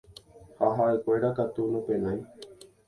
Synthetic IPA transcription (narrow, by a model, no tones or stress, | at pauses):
haɦaekʷeɾakat̪unũpẽnãj̃